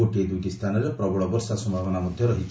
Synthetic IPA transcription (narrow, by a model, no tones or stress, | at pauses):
oʈed̪ukist̪ʰaːnɔɾepɾɔbʱɔɭɔbɔɾsasɔmbʱaʋɔnamud̪ʱjɔɾɔɦitːt͡ʃ